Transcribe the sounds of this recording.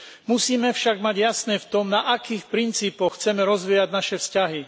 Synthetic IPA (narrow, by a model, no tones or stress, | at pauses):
musiːmɛfʃaɡmaɟjasnɛːft̪ɔmnaʔakiːxpɾint͡siːpɔxt͡sɛmɛɾɔzʋiːjaɟnaʃɛfscaɦi